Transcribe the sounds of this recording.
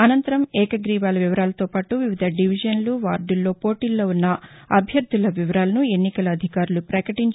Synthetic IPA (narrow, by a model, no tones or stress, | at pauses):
ɐnɐnt̪ɐɾɐmɛːkɐɡɾiːʋaːlɐʋiʋɐɾaːlɐt̪o̞ːpaːʈuʋiʋid̪ʱɐɖiʋid͡ʒɐnluʋaːɾɖulːo̞ːpo̞ːʈiːlːo̞ːunːɐɐbʱjɐɾd̪ʱulɐʋiʋɐɾaːlɐnue̞nːikɐlɐːd̪ʱikaːɾulupɾɐkɐʈiɲt͡ʃ